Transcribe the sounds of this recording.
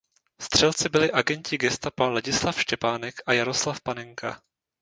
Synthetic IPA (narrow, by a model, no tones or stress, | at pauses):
st̪r̥ɛlt͡sɪbɪlɪʔaɡɛɲcɪɡɛst̪apalaɟɪslafʃcɛpaːnɛkʔajaɾo̞slafpanɛŋkʰa̰